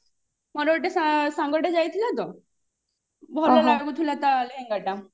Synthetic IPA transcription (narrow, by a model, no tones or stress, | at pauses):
mɔɾoʈesasaŋɡɔʈed͡ʑajt̪ʰilat̪o | bʱɔalaɡut̪ʰulat̪aleɦẽŋɡaʈa